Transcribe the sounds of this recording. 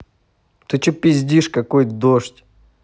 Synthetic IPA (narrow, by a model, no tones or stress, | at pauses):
t̪ɨt͡ɕopʲɪzʲdʲiʂkɐkojd̪oʂtʲ